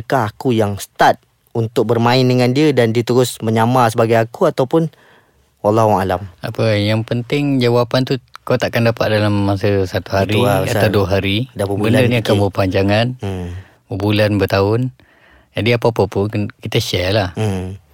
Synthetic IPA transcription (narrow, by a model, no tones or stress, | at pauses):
kaɦakujaŋsə̥t̪at̪̚ | unt̪ʊk̚bərmãɪndəŋandiədandiət̪əɾʊsməɲamasəbaɡajakuat̪awpʊn | walːaɦua̰lama̰pəjaŋpənt̪ɪŋd͡ʒawapant̪ukawt̪aʔkandapat̪̚dalamːasəsat̪uɦaɾiat̪awduəɦaɾidbəndəniakabəpaɲd͡ʒaŋan | ubulanbət̪aʊn | d͡ʒadiapapapunkit̪əʃɛlah̩